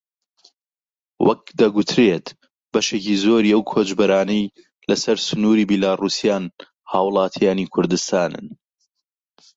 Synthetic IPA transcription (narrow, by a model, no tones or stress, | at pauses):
wɐ̰k̚d̪ɐɡʊt̪ʰɾeːt̪ | bɐʃeːcizoːɾiːɐwkʰoːd͡ʒbɐɾaːnɐj | lɐsɐɾsʊnuːɾiːbilaːruːsijaːn | haːwlˠɑːt̪ʰjaːnikʰʊɾd̪ɨst̪aːnɨ̰n